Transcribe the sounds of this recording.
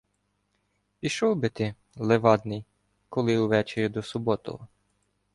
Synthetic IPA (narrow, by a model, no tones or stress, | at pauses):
pʲiʃɔwbɪt̪ɪ | lˠeʋɑd̪nɪj | kɔlˠɪwʋɛt͡ʃeɾʲid̪ɔsʊbɔt̪ɔ̰ɔ